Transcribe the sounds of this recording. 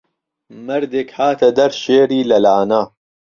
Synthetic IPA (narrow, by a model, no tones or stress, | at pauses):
mɐɾd̪ekhaːt̪ʰɐd̪ɐɾʃeːɾiːlɐlaːna